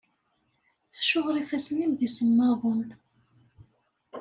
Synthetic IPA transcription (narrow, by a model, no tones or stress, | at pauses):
æʃʊʁɾˤifæsənimðisəmːɑðˤun